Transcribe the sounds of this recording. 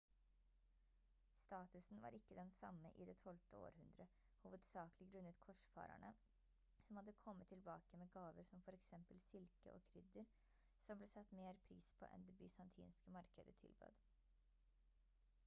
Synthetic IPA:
st̪ɑːt̪ʉsn̩ʋɑ̰ːɾʔɪkːəd̪ɛnsɑ̰mːəʔɪd̪ɛt̪ʰɔlt̪əo̰ːɾhʉnd̪ɾə | huːʋəd̪sɑːklɪɡɾʉnːət̪kʰɔʂfɑ̰ːɾæ̰ɳə | sɔmhɑd̪ːəkʰɔmːət̪ʰːɪlbɑːkəmeːɡɑːʋəɾsɔmfɔɾɛksɛmpəlsɪlkə̰ʔoːkʰɾʏd̪əɾ | sɔmbleːsɑt̪ːmeːɾpʰɾiːspʰo̰ːʔɛ̰nd̪ebʏsɑnt̪ʰḭːnskəmɑɾkəd̪ət̪ʰɪ̰lbø̰ːd̪

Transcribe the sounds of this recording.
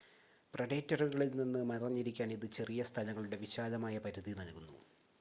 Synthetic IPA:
prɐɽeːtːɐruɣɐɭilninːɨmɐɐrɲːiɾikʲːaːniðɨt͡ɕe̞rijɐst̪ʰɐlɐŋːɐɭuɽe̞ʋiɕaːlɐmaːjɐpɐɾɐðinɐlkunːṵ

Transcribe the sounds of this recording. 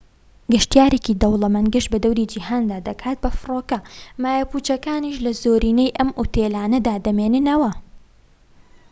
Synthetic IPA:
ɡɨʃt̪ijaːɾeːkid̪ɐwlˠɐmɐnɡɨʃbɐd̪ɐwɾiːd͡ʒiɦaːnd̪aːd̪ɐkʰaːt̪̚bɐfɨroːkɐmaːjɐpuːt͡ʃɐkaːniːʃlɐzoːɾiːnejʔɐmʔut̪ʰeːlaːnɐd̪aːd̪ɐmenɨnɐwɐ

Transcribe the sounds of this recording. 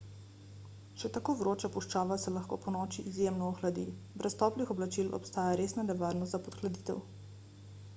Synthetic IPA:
ʃɛt̪akoːʋɾoːt͡ʃapuʃt͡ʃaːʋasɛlaxko̰ːpɔnɔːt͡ʃiʔizjemnɔɔxlad̪ḭbɾɛst̪ɔːplixɔblat͡ʃilɔ̰pst̪aːjaɾesnanɛʋaːɾnɔst̪zapɔt̪xlad̪iːt̪ɛ̰w

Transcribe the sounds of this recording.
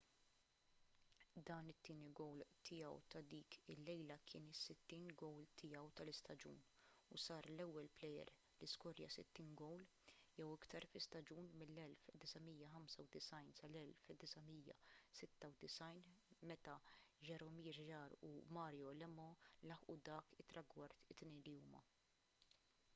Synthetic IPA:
d̪ɐːnɪt̪ːiːniɡɔwlt̪ʰɪjɐ̰wt̪ɐd̪iːkɪlːɛjlɐkʰɪːnɪsːɪt̪ːiːnɡɔwlt̪ʰɪjɐwt̪ɐlɪst̪ɐd͡ʒṵːnusɐːɾlɛwːɛlplɛjɛ̰ɾ | lɪskɔɾjɐ̰sɪ̰t̪ːiːnɡɔwl | jɛwɪkt̪ɐɾfɪst̪ɐd͡ʒuːnmɪlːɛlfd̪ɪsɐmiːjːɐħɐmsɐwd̪ɪsɐjnsɐlɛlfd̪ɪsɐmiːjɐ̰sɪt̪ːɐwd̪ɪsɐjnmɛt̪ɐʒɛɾɔmiːɾʒɐːɾṵmɐːɾjɔlɛmɔlɐħʔud̪ɐːkɪt̪ːɾɐɡwɐɾt̪ɪt̪ːnɛjnliuːmɐ

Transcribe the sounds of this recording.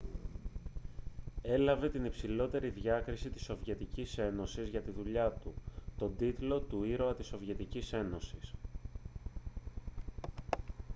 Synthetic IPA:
e̞lɐve̞t̪inipsilo̞t̪e̞ɾiðʝɐkɾisit̪isːo̞vʝe̞t̪icise̞no̞sizʝɐt̪iðuʎɐt̪ut̪o̞d̪it̪lo̞t̪uiɾo̞ɐt̪iso̞vjʝe̞t̪icise̞no̞sis

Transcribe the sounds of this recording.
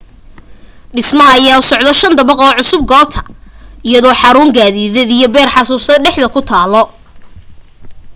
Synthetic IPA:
ɖɪsmɐɦɐɐjaːʊsɔʕd̪ɔʃɐnd̪ɐβɐqɔːʕʊsʊb̚ɡɔːb̚t̪ʰɐ̥ɪjɐðɔːħɑɾuːŋɡaːðiːðɛd̪ijɔbɛːrħɑsuːsɐɖɛħðɐkʰʊt̪ʰaːlɔ

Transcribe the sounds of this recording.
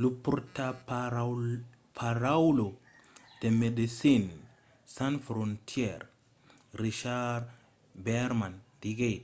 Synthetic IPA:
lupːuɾtap | pʰaɾawlo | d̥emedisin | sanfɾontʰieɾ | ɾiʃaɾ | beɾmandiɡej

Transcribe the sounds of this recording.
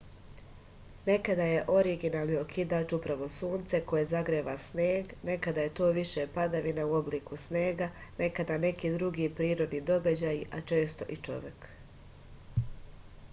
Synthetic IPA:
ne̞kad̪aje̞ʔo̞ɾiɡinaːlˠniokʰid̪aːt͡ʃupɾaʋo̞suːnt̪se̞ko̞jezaɡɾeːʋasneːɡne̞kad̪aje̞t̪o̞ːʋiʃepad̪aʋinauo̞bliːkusne̞ːɡane̞kad̪ane̞kiːd̪ɾuɡipɾiːɾod̪nid̪o̞ɡad͡ʑajiʔat͡ʃe̞ːst̪o̞̰ʔit͡ʃo̞̰ʋjek

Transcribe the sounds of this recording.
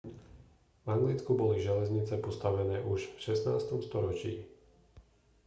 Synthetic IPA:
vaŋɡlit͡skubɔliʒɛlɛzɲit͡sɛpɔst̪aʋɛnɛːʔuʃfʃɛsnaːst̪ɔmst̪ɔɾɔt͡ʃḭː

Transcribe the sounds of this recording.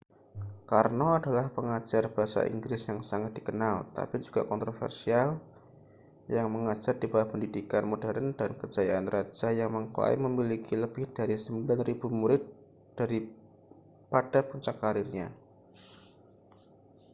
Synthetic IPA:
karnoadalahpəŋad͡ʒarb̥aɦasa̰ʔḭŋɡɾɪsjaŋsaŋat̪̚d̥i̥kənalt̪a̰pid͡ʒuɡ̥akɔnt̪ɾofɛ̰rsial | jaŋməŋad͡ʒardibawahpəndidikanmodɛɾəndankəd͡ʒajaanrad͡ʒajaŋməŋkəla̰ɪ̰məmilikiləbɪhd̥aɾisəmbilanrib̥umuɾɪt̪̚ | d̥aɾi | pad̥apuɲt͡ʃakːaɾɪrɲa̰

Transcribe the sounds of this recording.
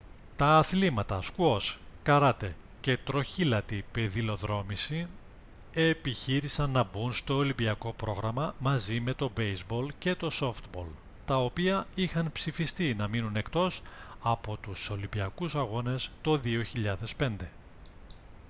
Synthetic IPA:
t̪ɐːθlimɐt̪ɐskuo̞skɐɾɐt̪e̞ | ce̞t̪ɾo̞çilɐt̪ipe̞ðilo̞ðɾo̞misi | e̞piçiɾisɐnːɐbunst̪o̞ːlimbiɐko̞pɾo̞ɣɾɐmɐmɐzime̞t̪o̞bejzbo̞lce̞t̪o̞so̞ft̪bo̞l | t̪ɐo̞piɐixɐnpsifist̪inɐminune̞kt̪o̞sɐpo̞t̪uso̞limbiɐkusɐɣo̞ne̞st̪o̞ðio̞çiʎɐðe̞spe̞nd̪e̞

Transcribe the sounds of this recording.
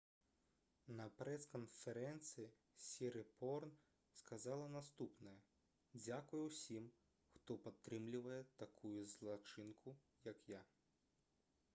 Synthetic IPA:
nɐpɾɛskɔnfeɾɛnt̪sɨji | sʲiɾɪpɔrn | skɐzɑlˠɐnɐst̪upnɐjɐ | d͡zʲakʊjʊwsʲim | xt̪ɔpɐt̪ːɾɪmlʲʊʋɐjɛt̪ɐkʰujʊzlˠɐt͡ʃɪnkʰʊ | jɐkja

